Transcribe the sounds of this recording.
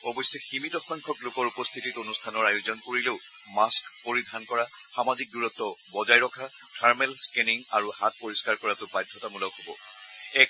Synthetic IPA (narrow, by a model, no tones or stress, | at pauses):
ɔbɔjsjɔximitɔxɔjŋkʰɔklokɔɹupɔst̪ʰititonustʰanɔɹajozɔnkoɹileʊ | maskpoɹidʱankɔɹa | xamazik̚duɹɔtːɔbɔzajɹɔkʰa | tʰaɹmelskeniŋaɹuhat̚poɹiskaɹkɔɹatʊbajdʱːɔtamulɔʊhobɔ | ɛk